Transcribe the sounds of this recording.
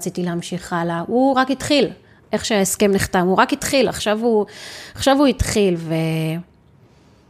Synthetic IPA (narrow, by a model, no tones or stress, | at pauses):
t͡sit̪ileamʃiχalahuʁakit̪χil | ʔe̞χʃeaeske̞mniχt̪amuʁakitχila̰χʃavhuaχʃavuit̪χilve